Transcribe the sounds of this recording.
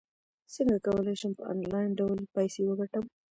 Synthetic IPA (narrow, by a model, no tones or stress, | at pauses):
səŋɡakawəlajʃəmpəɑ̰nlɑjnɖawlpajsewəɡaʈəm